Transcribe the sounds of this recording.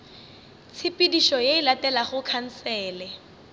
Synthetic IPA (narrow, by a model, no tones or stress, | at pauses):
t͡sʰɪpidiʃɔjeɪlatɛlaχʊkʰan̩sɛːlɛ